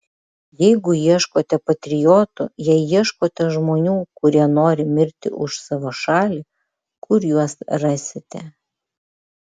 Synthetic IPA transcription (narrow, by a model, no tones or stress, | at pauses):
jɛɪɡʊjiɛʃkoːt̪ʲɛpɐt̪ʲɾʲɪjoːt̪ʊ̰jiɛjiɛʃkoːt̪ʲɛʒmoːnʲuːkʊɾʲiɛnoːɾʲɪmʲɪɾʲt̪ʲɪ̰ʔʊʃsɑʋoːʃɑːlʲi | kʰʊɾjuɔsɾɑːsʲɪt̪ʲɛ